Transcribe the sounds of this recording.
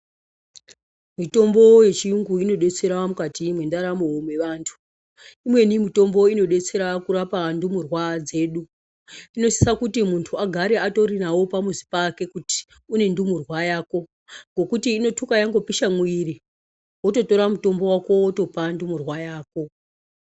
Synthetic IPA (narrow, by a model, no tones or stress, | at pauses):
mito̞mbo̞je̞t͡ʃiuŋɡuino̞ɗe̞t͡se̞ɾamukatimwe̞ndaɾamowomwe̞ʋaːntʰu̥ | imwe̞nimito̞mbo̞ino̞ɗe̞t͡se̞ɾakuɾapandumurwad͡ze̞ːɗu | ino̞si̥sakutimuntʰuaɡʱaɾe̞ato̞ɾinawo̞pamuzi̥pake̞kuti̥ | une̞ndumurwajaːko̞ | ŋɡo̞kutiːno̞tʰukajaŋɡo̞piʃamwiɾi | woto̞to̞ɾamuto̞mbo̞wako̞woto̞pandumurwajaːko̞